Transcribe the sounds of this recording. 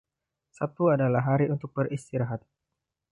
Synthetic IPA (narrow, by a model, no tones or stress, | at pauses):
sat̪uadalaɦaɾiunt̪ʊk̚bəɾist̪iɾaɦat̪̚